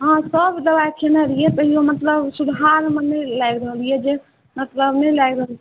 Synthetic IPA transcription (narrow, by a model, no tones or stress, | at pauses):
ɦãsəbʱd̪əbajkʰenaɾijet̪əɦiomət̪ləbsud̪ʱɦaɾmenəjlajɡɾəɦəlijed͡ʒe | mət̪ləbnəjlajɡɾəɦəl